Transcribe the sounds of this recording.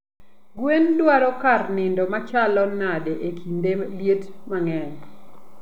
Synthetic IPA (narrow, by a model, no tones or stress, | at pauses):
ɡwendwaɾɔkarnɪndɔmat͡ʃalɔnadeʔekʰindeljetmaŋɛn